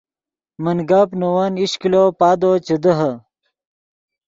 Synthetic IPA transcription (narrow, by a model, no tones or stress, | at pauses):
mənɡaːpnowaniɕkiloːpaːd̪ot͡ɕəd̪əɦɐ